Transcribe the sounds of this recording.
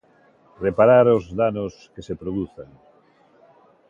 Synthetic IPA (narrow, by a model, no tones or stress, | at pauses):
repaɾaɾʊzðanoskesepɾoðuθaŋ